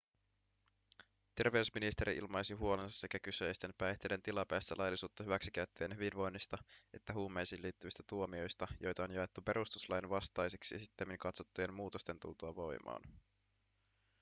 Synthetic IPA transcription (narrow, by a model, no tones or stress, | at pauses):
t̪e̞rʋe̞usminist̪eɾḭʔḭlmɑjsiɦuolensɑsːe̞kækyse̞jst̪e̞mpæjht̪e̞jde̞nt̪ilɑpæːst̪ælɑjlːisuːt̪ːɑɦyʋæksikæyt̪ːøjenhyʋinʋo̞jnːist̪ɑʔe̞t̪ːæɦuːmejsiːnliːt̪ːyʋist̪æt̪uo̞mio̞jst̪ɑjo̞jt̪ɑonjɑet̪ːupe̞ɾʔust̪uslɑjinʋɑst̪ɑjseksiesit̪ːemiŋkɑt̪so̞t̪ːuje̞mmuːt̪o̞st̪e̞nt̪ṵlt̪uɑʋo̞jmɑ̰ːn